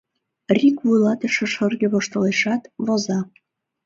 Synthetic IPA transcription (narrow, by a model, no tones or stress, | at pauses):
rʲikβujlɑt̪əʃə̆ʃərɣeβoʃt̪ə̆leʃɑt̪βozɑ